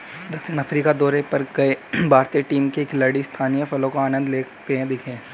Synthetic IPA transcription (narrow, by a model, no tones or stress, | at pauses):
d̪ɐkʃɪnɐfɾiːkad̪ɔːɾepɐɾkɐebʱaːɾt̪ijəʈiːmkeːklɐɽist̪ʰaːnijəfɐlõkoaːnə̃nd̪leː | t̪eɦɛ̃d̪ɪkʰẽː